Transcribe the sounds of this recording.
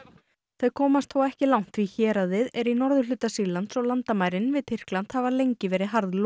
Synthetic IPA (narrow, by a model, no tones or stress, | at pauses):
θeðkʰɔːmast̪θowɛhcɪlawn̥t̪viçɛːɾaðɪðɛɾinɔɾðʏlʏːt̪asilant̪sɔwlant̪amaːjɾɪnvɪðt̪ʰɪr̥klan̥t̪havalejɲcɪvɛːɾɪɦaɾðl